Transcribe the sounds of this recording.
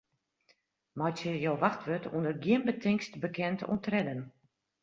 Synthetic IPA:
mɔjtəjowʋaxtʋøtʰṵəndərɡiənbətʰɪŋkstbəkɛntʰṵntrɛdən

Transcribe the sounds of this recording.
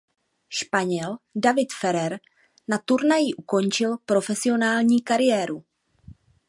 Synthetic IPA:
ʃpaɲɛldavɪt̪fɛɾɛɾ | nat̪uɾnajɪʔuko̞nt͡ʃɪlpɾo̞fɛsɪo̞naːlɲiːkaɾɪjɛːɾu

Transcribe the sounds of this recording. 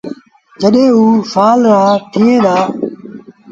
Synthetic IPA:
d͡ʒəɗẽːuːsaːlɾaːt̪ʰiːẽːd̪aː

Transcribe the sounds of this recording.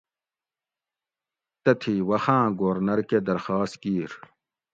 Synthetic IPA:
t̪ɐt̪ʰiwɐxãːɡoːɾnɐɾked̪ɐɾxaːst̪̚kiːɾ

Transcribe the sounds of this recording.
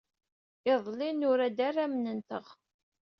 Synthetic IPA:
ɪðˤlɪnʊɾæd̪arːamnənt̪əʁ

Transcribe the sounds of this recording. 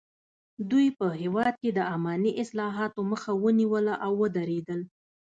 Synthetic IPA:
d̪ujpəɦewɑd̪̚ked̪əamɑniʔɪslɑɦɑt̪oməxawəniwəlaʔawːəd̪aɾed̪əl

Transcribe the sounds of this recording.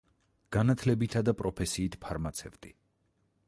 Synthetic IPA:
ɡ̥anat̪ʰlɛbit̪ʰad̪apʼɾɔpʰɛsiːt̪ʰpʰaɾmat̪sʰɛvt̪ʼi

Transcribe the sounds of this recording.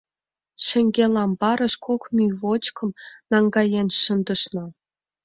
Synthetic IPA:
ʃə̆ŋɡʲelɑmbɑɾə̆ʃkʰokmʲyjvot͡ɕkʰɤ̆mnɑŋɡɑjenʃə̆nd̪ə̆ʃnɤ̆

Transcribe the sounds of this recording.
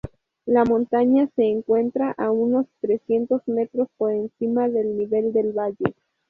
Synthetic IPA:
lamõ̞nt̪aɲase̞ːŋkwe̞nt̪ɾaʔauno̞st̪ɾe̞sje̞nt̪o̞zme̞t̪ɾo̞spo̞ɾe̞nsimaðe̞lniβe̞ld̪e̞lβaʝe

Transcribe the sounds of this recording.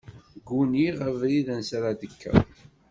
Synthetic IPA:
ɡːuniʁævɾiðænsaɾad̪əkʰːæ̰

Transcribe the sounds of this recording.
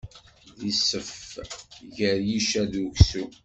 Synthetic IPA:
ðisəf | ʝəɾjiʃæðuʝsu

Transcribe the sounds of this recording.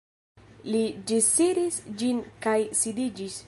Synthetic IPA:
lid͡ʒisiɾisd͡ʒinkajsidid͡ʒis

